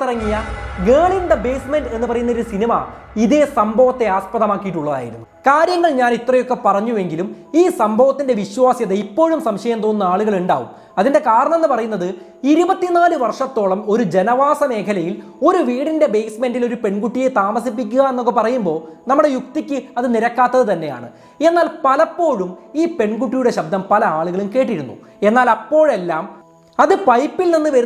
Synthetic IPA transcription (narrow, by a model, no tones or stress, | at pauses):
irɐŋːijɐɡeːɭind̪ɐbe̞ːsmenɖe̞nːɨpɐrɐjunːɐoɾusinimɐ̰ | iðe̞sɐmbʱɐʋɐt̪ːe̞aːspɐðɐmaːkːijiʈːuɭːɐða̰ːjḭɾunːukaːɾjɐŋːɐɭɲaːnit̪rɐjo̞kːe̞pɐrɐɲːue̞ŋɡilum | iːsɐmbʱɐʋɐt̪ːinde̞ʋiɕwaːsjɐðeipːo̞ːɻumsɐmɕɐjɐmt̪oːnːɐaːɭuɣɐɭuɳɖa̰ːʋṵm | ɐðinde̞kaːɾɐɳɐme̞nːɨpɐrɐjunːɐðɨ | iɾubɐt̪ːinaːlɨʋɐrʂɐt̪ːo̞ːɭɐmo̞ɾud͡ʑe̞nɐʋaːsɐme̞ːkʰɐlɐjil | o̞ɾuʋiːɽinde̞be̞jsmendilo̞ɾupe̞ɳkuʈːije̞t̪aːmɐsip̬ːik̬ʲːuɣɐe̞nːok̬ːepɐrɐjumbo̞ːnɐmːuɽe̞juk̚t̪ikʲːɨɐðɨniɾɐkːaːt̪ːɐðɨt̪ɐnːe̞ja̰ːɳɨ̰ | e̞nːaːlpɐlɐpːo̞ːɻumiːpe̞ɳkuʈːijuɽe̞ɕɐb̚d̪ʱɐmpɐlɐaːɭuɣɐɭumke̞ːʈ̬ːiɾunːṵ | e̞nːaːlɐpːo̞ːɻe̞lːaːm | ɐðɨpɐjpːilninːɨʋɐɾ